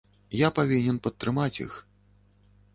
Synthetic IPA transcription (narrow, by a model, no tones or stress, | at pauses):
japavʲinʲɛnpɐt̪ːɾɨmat͡sʲḭx